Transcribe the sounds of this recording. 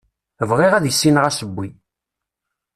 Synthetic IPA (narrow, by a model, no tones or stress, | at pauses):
əvʁiʁæðjəsːinʁæsəbːi